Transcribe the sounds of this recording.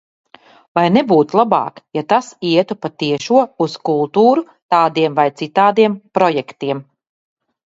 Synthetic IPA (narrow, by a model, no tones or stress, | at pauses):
vajnɛbuːt̪ulˠabɑ̰ːkjat̪asiɛt̪upat̪iɛʃuɔuskulˠt̪uːɾu | t̪aːd̪iɛmvajt̪sit̪aːd̪iɛmpɾɔjɛkt̪iɛm